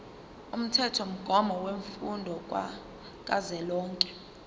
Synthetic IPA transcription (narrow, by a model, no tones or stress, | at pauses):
um̩tʰɛtʰɔm̩ɡ̥ʱɔmʱɔweɱfundʱɔk̬ʼwa̰ | k̬ʼazɛlɔːŋkʼɛ̥